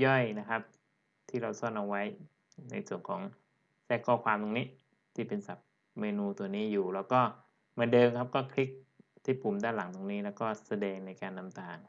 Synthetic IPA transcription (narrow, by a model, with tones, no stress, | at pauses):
jɔ˥˩jna˦˥kʰa˦˥p̚ | t̪ʰiː˥˩ɾa˧wsɔ˥˩nʔa˧wa˦˥j | na̰˧jsu˨˩ənkʰɔː˩˦ŋ | sɛː˦˥˩kʰːɔː˥˩kʰwaː˧mt̪ʰoː˧ŋniː˦˥ | t̪ʰiː˥˩pe˧nsa˨˩p̚ | meː˧nuː˧t̪u˧niː˦˥juː˨˩lɛː˦˥wkɔː˥˩ | maː˧dɤː˧mkʰa˦˥p̚kɔː˥˩kʰɾi˦˥k̚t̪ʰiː˥˩pʰu˨˩˦mdaː˥˩nla˩˦ŋt̪ʰoː˧ŋniː˦˥lɛː˦˥wkɔː˥˩sa˧dɛː˧ŋna˧jkaː˧nːa˧mt̪aː˨˩ŋ